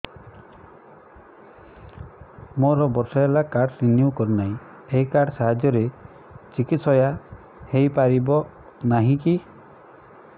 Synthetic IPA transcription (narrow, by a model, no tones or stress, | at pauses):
moɾɔbɔɾsaelakaɾɖɾinjukɔɾunaĩ | eɦikaɾɖsaɦad͡ʒɔɾe | t͡ʃikit̪sɔja | hejpaɾibɔ | naɦĩki